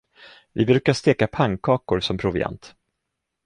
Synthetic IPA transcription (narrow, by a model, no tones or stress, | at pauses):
vɪbɾʉ̟ːkaʂt̪eːkapʰaŋkʰɑːkʊɾsɔmpʰɾʊvɪ̰a̰nt̪